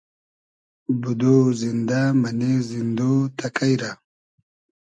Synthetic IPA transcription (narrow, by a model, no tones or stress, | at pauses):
bud̪ozind̪amɐnezind̪ot̪ʰɐkajɾa